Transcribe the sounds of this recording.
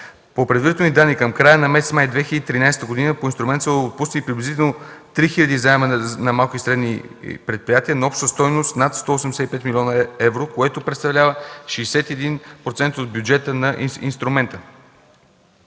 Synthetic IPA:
popɾɛd̪vəɾit̪ɛlnid̪anːikəmkɾajənɐmɛsɛ̥smajd̪vɛxilʲəd̪it̪ɾinajsɛt̪əɡod̪inəpoinst̪ɾumɛnt̪səpusnipɾiblizit̪ɛlˠnot̪ɾixilʲəd̪izaɛmənnɐmalˠkisɾɛd̪nipɾɛt̪̚pɾijat̪iənɐɔpʃt̪əst̪ɔjnost̪nat̪st̪ɔosɛmd̪sɛipɛt̪milʲɔnəɛvɾokoɛt̪opɾɛt̪st̪ɐvlʲavəʃiːsɛt̪ɛd̪inpɾot̪sɛnt̪od̪̚bʲjud͡ʒɛt̪ənɐʔinst̪ɾumɛnt̪ə

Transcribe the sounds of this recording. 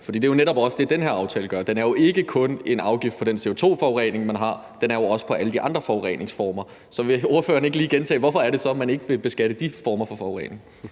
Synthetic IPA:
fɒ̽d̥ḭːd̥ejo̝neɾɒ̽b̥ɒ̽səd̥e̝d̥enheɐ̰ɑ̈ʊt͡sʰɛ̰ːləɡ̥ɶɐd̥enæɐjo̝e̝ɡ̥əkʰɔ̽ne̝nɑ̈ʊɡ̥ifd̥̚pʰɒ̽d̥ense̝o̝t͡sʰo̝̰ːfɒʊʁɛ̰ːne̝ŋmænɦɑ̈ | d̥enæɐjo̝ɒ̽sə̥pʰɒ̽ʔæləd̥iʔɑ̈nd̥ʁɐfɒʊʁɛ̰ːne̝ŋsfɒːmɐ | sɒ̽ʋe̝o̝ɐføːɐneɡ̥liːɡ̥ent͡sʰɛ̰ːʋɒfɒ̽æɐɾe̝sɒ̽mæne̝ɡ̥əʋe̝b̥e̝sɡ̥æɾ̥əd̥ifɒːmɐfɒ̽fɒʊʁɛ̰ːne̝ŋŋ

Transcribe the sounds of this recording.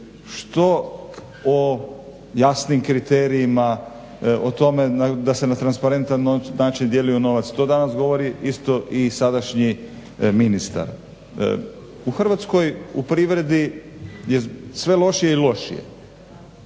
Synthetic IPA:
ʃt̪o | o | jasnimkɾit̪eːɾiima | ot̪o̞me̞nad̪ase̞nat̪ɾanspaɾe̞nt̪annaːt͡ʃind̪jelujuno̞ʋat̪st̪o̞ːd̪anasɡo̞ʋo̞ɾiist̪o̞ʔisad̪aʃɲi | minist̪a̰ɾ | uxr̩ʋat̪sko̞jupɾiʋɾe̞d̪ijesʋe̞lˠo̞ʃije̞ilo̞ʃḭjḛ

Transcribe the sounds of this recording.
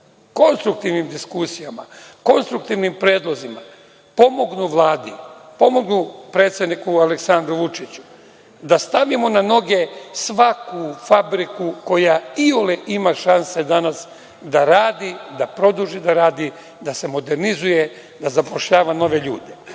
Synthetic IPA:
ko̞nst̪ɾuk̚t̪iʋnimd̪iskusijama̰ko̞nst̪ɾuk̚t̪iʋnimpɾeːd̪lˠo̞zima | po̞mo̞ɡnuʋlˠaːd̪ipo̞mo̞ɡnupɾe̞ːt̪sje̞d̪nikualeksand̪ɾuʋut͡ʃit͡ɕu̥ | d̪ast̪aʋimo̞nano̞ɡe̞sʋakufabɾikuko̞jaioleʔimaʃanse̞d̪anas | d̪aɾaːd̪id̪apɾo̞d̪uʒid̪aɾaːd̪i | d̪ase̞mo̞d̪e̞ɾnizuje̞ | d̪azapo̞ʃʎaːʋano̞ʋe̞ʎuːd̪e̞

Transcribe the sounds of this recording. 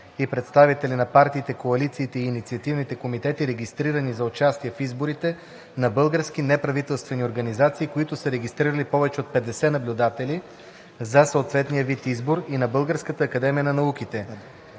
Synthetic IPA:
ipɾɛt̪st̪avit̪ɛlʲinɐpaɾt̪iːt̪ɛkoɐlit̪siːt̪ɛiːnit̪siɐt̪ivnit̪ɛkomit̪ɛt̪iɾɛɡʲist̪ɾiɾənizɐot͡ʃast̪iɛfizboɾit̪ɛ | nɐbɤlˠɡəɾsk̟inɛpɾɐvit̪ɛlˠst̪vɛnioɾɡɐnizat̪siːkoit̪ʊsəɾɛɡʲist̪ɾiɾəlipɔvɛt͡ʃɛot̪̚pɛd̪ɛsɛnɐblʲʊd̪at̪ɛli | zɐsoot̪vɛt̪nijəvit̪izboɾinɐbɤlˠɡəɾskət̪əːkɐd̪ɛmijənɐnɐuk̟it̪ɛ

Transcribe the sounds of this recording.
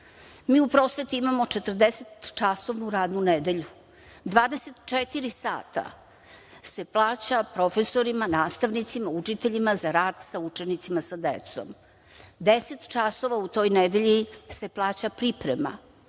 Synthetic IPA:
miːupɾo̞sʋe̞t̪uimamo̞ʈ͡ʂet̪r̩d̪eset̪t͡ʃasoʋnuɾaːd̪nuned̪e̞ʎu | d̪ʋaːd̪eset̪t͡ʃet̪iɾisa̰ːt̪a̰ | se̞plˠaːt͡ɕapɾo̞fe̞so̞ɾimanaːst̪aʋnit̪simaut͡ʂit̪eʎimazaɾaːd̪saut͡ʃe̞nit̪simasad̪ḛt̪so̞̰m | d̪eset̪t͡ʃaso̞ʋaut̪o̞ːjned̪eʎise̞plˠaːt͡ɕapɾipɾema̰

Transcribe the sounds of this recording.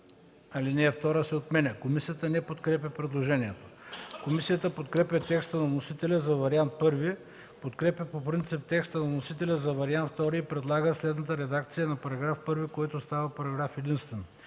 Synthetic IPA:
ɐlinɛːft̪ɔɾəsɛot̪mɛnɛkomisiət̪ənɛpot̪kɾɛpʲjɐpɾɛd̪lˠoʒɛniɛt̪o̥komisijət̪əpot̪kɾɛpʲjɐt̪ɛkst̪ənɐnosit̪ɛlʲɛzɐvɐɾiant̪̚pɤɾvi | pot̪kɾɛpʲjɐpopɾint̪sip̚t̪ɛkst̪ɐnɐnosit̪ɛlʲɛzɐvɐɾiant̪ft̪ɔɾiːpɾɛd̪lˠaɡəslɛd̪nət̪əɾɛd̪akt̪sijənɐpɐɾɐɡɾafpɤɾvikɔjt̪ʊst̪avɐpɐɾɐɡɾafɛd̪inst̪vɛn

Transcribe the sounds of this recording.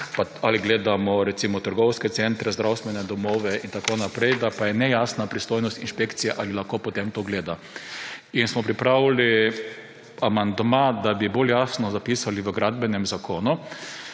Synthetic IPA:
paaliɡleːd̪amɔɾɛtsimɔt̪əɾɡɔwskɛsɛnt̪ɾɛzd̪ɾʔawst̪ʋɛnɛd̪ɔmoːʋɛint̪akonapɾɛjd̪apajɛnɛjasnapɾist̪ojnɔst̪inʃpekt̪sijɛʔalilaxkopɔt̪emt̪oɡleːd̪a | insmɔpɾipɾawli | amand̪mad̪abiboljaːsnɔzapisaliʋəɡɾad̪bɛnɛmzakoːnu

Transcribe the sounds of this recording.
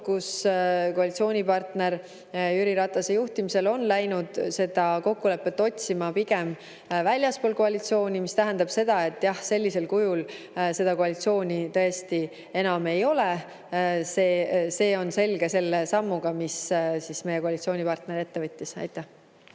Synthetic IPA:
kuskoɑlit̪sio̞ːnʲipɑrt̪ne̞ɾ | yɾiɾɑt̪ːˑɑsejuht̪imise̞lo̞nlæjnud̪̥se̞d̪̥ɑko̞kːule̞pːˑet̪ːˑo̞t̪ʲsimɑpiɡ̥e̞m | vælʲjɑspo̞ːlko̞ɑlʲit̪sio̞ːnʲimist̪æɦe̞nd̪ɑb̥se̞d̪̥ɑe̞t̪ːˑjɑhse̞lʲːise̞lkujul | se̞d̪̥ɑkoɑlit̪sio̞ːnʲit̪ɤ̞e̞st̪i | e̞nɑme̞jo̞le | se̞ːse̞ːo̞nse̞lɡe̞se̞lːesɑmːuɡ̥ɑmissisme̞jeko̞ɑlit̪sio̞ːnʲipɑrt̪ne̞ɾe̞t̪ːe̞vɯt̪ʲːisɑ̰jt̪ːˑæh

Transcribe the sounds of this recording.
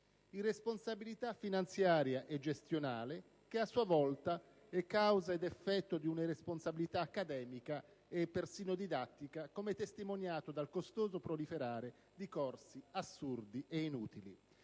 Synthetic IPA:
iresponsabilit̪afːinant̪sjaːɾjaʔɛd͡ʒest̪jonaːle | k̟easːuavɔlt̪a | ɛkːawzaid̪efːɛt̪ːod̪iunaɾesponsabilit̪aːkːad̪ɛːmika | epːersiːnod̪id̪at̪ːikakomet̪est̪imonjaːt̪od̪alkost̪oːzopɾolifeɾaːɾe | d̪ikɔrsiasːurd̪iʔeinuːt̪ilḭ

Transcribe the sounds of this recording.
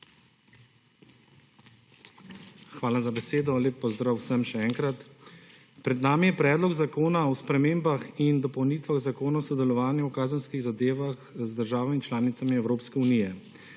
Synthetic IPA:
xʋaːlazabɛseːd̪ɔleːpːɔzd̪ɾaːwsəmʃɛɛːŋkɾat̪ | pɾɛd̪naːmijɛpɾɛːd̪lɔɡzakoːnaɔspɾɛmeːmbaxind̪ɔpɔwniːt̪ʋaɣzakoːnasɔd̪ɛlɔʋaːnjawkaːzənskiɣzad̪eːʋaxzd̪əɾʒaːʋamit͡ʃlaːnit̪samiɛwɾoːpskɛunijɛ

